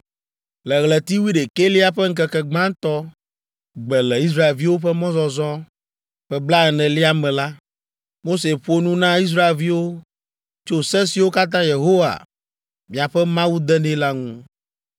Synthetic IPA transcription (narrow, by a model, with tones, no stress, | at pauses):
lɛ˨ɣlɛ˨t̪i˦wi˦ɖe˨ke˦li˦a˦ɸɛ˦ŋ̩˦kɛ˨kɛ˨ɡ͡bã˦t̪ɔ˦ | ɡ͡bɛ˨lɛ˨i˦s̬ɾa˦e˨lvi˦wo˦ɸɛ˦mɔ̃˦zɔ˨zɔ˦ | ɸɛ˦bla˦ɛ˨nɛ̃˨li˦a˦mɛ̃˨la˦ | mo˦se˨ɸo˦nũ˦nã˦i˦s̬ɾa˦e˨lvi˦wo˦ | t͡ʃo˦sɛ̃˦si˨wo˦ka˦t̪̬ã˦je˨ɦo˦wa̰˨ | mĩ˨a˨ɸɛ˦mã˦wu˦d̪ɛ˦nɛ̃˦la˦ŋũ˦